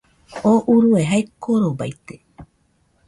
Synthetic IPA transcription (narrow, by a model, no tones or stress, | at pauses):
oʔuɾueɦaekoɾoba̰jt̪e